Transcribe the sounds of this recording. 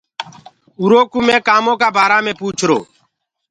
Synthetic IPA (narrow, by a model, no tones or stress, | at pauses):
uːɾoːkuːmẽːkaːmõːkaːbʱaːɾaːmẽːpuːt͡ʃʰɾoː